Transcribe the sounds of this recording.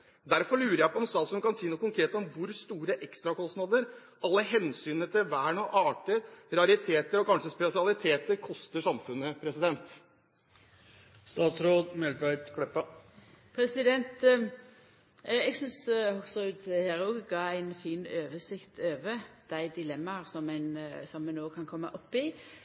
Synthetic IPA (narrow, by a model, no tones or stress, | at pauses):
d̪æɾfɔɾɭʉːɾəɾjæɪpʰɔɔmst̪ɑːt̪sʉnkɑnsiːnuːkʊŋkʰɾeːt̪ɔmʋʊɾst̪uːɾəʔɛkst̪ɾɑkɔst̪nɑːd̪əɾ | ɑlːəɦɛnsyːnət̪ʰɪlʋæːɳɔʔɑːʈəɾɾɑɾɪt̪ʰeːt̪əɾɔkɑnʂəspɛsɪɑlɪt̪ʰeːt̪əɾkʰɔst̪əʂɑmfʉnːəpʰɾɛsɪd̪ɛnt̪ | st̪ɑːt̪sɾoːd̪mɛlɾæɪt̪kʰɽɛpːɑ | pʰɾɛsɪd̪ɛnt̪ | ɛɡsʏnshɔksɔʉd̪heːɾuɡɡɑːæɪnfiːnøːʋəsɪkt̪ʰøːʋəd̪̥æɪd̪ɪlɛmːɑɾsɔmɛnsɔmːɛnːoːkʰɑnkʰɔmːə̰ʔɔpːɪ